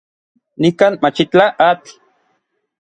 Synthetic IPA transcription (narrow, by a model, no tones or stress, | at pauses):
nikaːnmat͡ʃit͡ɬaʔat͡ɬ